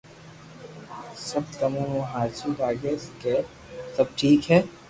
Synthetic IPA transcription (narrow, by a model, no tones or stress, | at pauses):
sɐb̪̚kɐmũɦõɦaːɾt͡ʃubaːɡeskeː | sɐb̚ʈʰiːkɦɛː